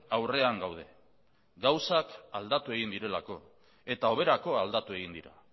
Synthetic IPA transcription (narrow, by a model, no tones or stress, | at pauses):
awre̞aŋɡawð̞e̞ | ɡawsakald̪at̪ue̞ɣind̪iɾe̞lako̞ | e̞t̪ao̞β̞e̞ɾako̞ald̪at̪ue̞ɣind̪iɾa̰